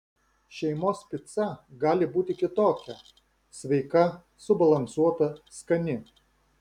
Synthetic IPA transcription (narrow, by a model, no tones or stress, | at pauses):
ʃʲɛɪmoːspʲɪt̪sɐɡɑːlʲɪbuːt̪ʲɪkʲɪt̪oːkʲɛ | sʲʋʲɛɪkɐ | sʊbɐlˠɐnsuɔt̪ɐskɐnʲɪ